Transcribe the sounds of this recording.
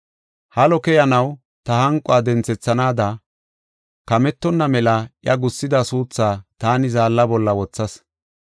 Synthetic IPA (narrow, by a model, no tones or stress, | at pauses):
hɐlɔkɛjɐnɐw | t̪ɐhɐŋkʼːʊaːd̪ɛnt͡sɛt͡sːɐnaːd̪ɐ | kɐmɛt̪ːɔnːɐmɛlɐʔjɐɡʊsːɪd̪ɐsuːt͡sːaːt̪aːnɪzaːlːɐbɔlːɐwɔt͡sːɐs